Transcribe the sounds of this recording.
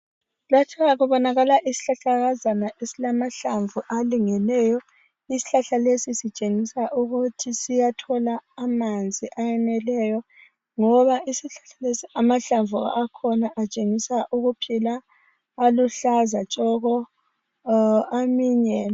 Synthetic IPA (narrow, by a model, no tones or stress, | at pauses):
latʰɛɣaɣuβɔnaɣalaʔisi̥ɬaɬaɣazanaʔesilamaɬaɱvuʔaliŋɛlɛjɔ | isi̥ɬaɬalesisit͡ʃʼeŋisaʔuɣutʰisijatʰɔlaːmand͡zʱiʔajɛnɛlɛjɔ | ŋɔβaʔisiɬḁɬalesiamaɬaɱvuaakʰɔnaʔat͡ʃʼeŋisaʔuɣupʰilaː | luɬazat͡ʃʼɔɣɔ | amiːɲɛ